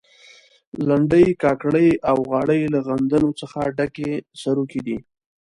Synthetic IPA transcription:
laɳɖəjkɑkɽəjawɣɑɽəjlaɣand̪anot͡səxaɖakesaɾuked̪i

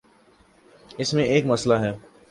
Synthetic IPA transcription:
ɪsmẽeːkmɐslaɦɛː

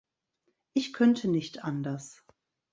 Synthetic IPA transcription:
ʔɪçkʰœntʰənɪçtʔandɐs

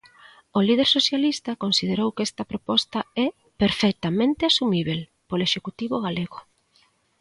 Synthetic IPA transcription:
olið̞eɾsoθjalist̪ɐkonsið̞eɾowkɛst̪ɐpɾopɔst̪aɛ | peɾfek̚t̪amẽnt̪ɪasumiβ̞el | poloeʃekut̪iβoɣaleɣʊ

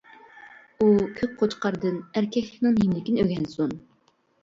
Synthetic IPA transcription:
ukʲʰøk̚ʲqʰot͡ʃqɑɾd̪ɨnæɾkʲʰɛkʲkʲnɪŋɦimlɪkʲinɪøɡʲɛnsun

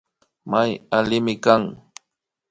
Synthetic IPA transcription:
majalɪmɪkaŋ

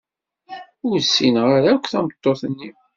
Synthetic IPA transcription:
ʊɾsːinʁaɾækʷːθæmət̪ˤːoθənːi

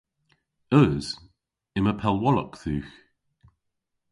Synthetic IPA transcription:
œz̥ | ɪməpʰɛlˠwɔlɔ̰kθʉːx

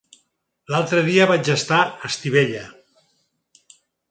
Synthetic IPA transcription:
lalˠt̪ɾəðiəβad͡ʒəst̪aəst̪iβeʎə

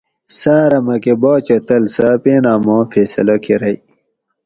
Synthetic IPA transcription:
saːɾɐmɐkeboːt͡ɕɐt̪ɐlsɐpeːnaːmõːfeːsɐ̰lɐkʰeɾɐi

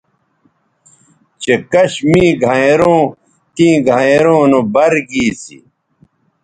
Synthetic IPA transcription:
t͡ɕekɐɕmĩːɡʱãeɾõː | t̪ĩːɡʱaeɾõːnobɐɾɡiːsḭ

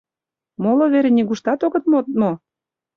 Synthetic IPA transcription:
moloβeɾenʲiɣuʃt̪ɑt̪oɣɤ̆t̪mot̪mo

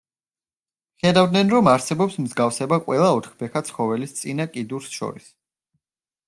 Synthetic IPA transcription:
χɛd̪avd̪nɛnɾɔmaɾsɛbɔpsmzɡafsɛbaqʼwɛlˠaɔt̪ʰχbɛkʰat̪sʰχɔvɛlist̪sʼinakʼid̪uɾsʃɔ̰ɾis

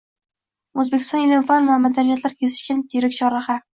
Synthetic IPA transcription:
ozbekʲʰɪ̥st̪ɒnelɪmfanvamad̪anijat̪laɾkʲʰezɪ̥ʃkʲant̪ʰeɾɪkʲt͡ʃʰɒɾaχa

